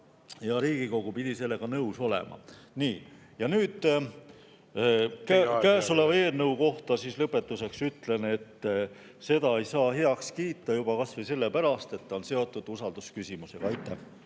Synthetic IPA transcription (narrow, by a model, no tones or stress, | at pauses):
jɑɾiːɡ̥iko̞ɡ̥upid̪̥ise̞lːe̞ɡ̥ɑnɤwso̞lḛmʔɑ̰niː | jɑnyːd̪̥ | kækæːso̞le̞vɑe̞ːlnɤwko̞ht̪ɑsislɤpːˑe̞t̪ːˑuse̞ksyt̪ˑle̞net̪ː | se̞d̪ɑe̞jsɑːheɑkskiːt̪ˑːɑjub̥ɑkɑsvese̞lːe̞pæɾɑst̪e̞t̪ːɑo̞nse̞o̞t̪ˑːud̪̥usɑld̪̥uskysʲimuse̞ɡ̥ɑɑjt̪ːˑæh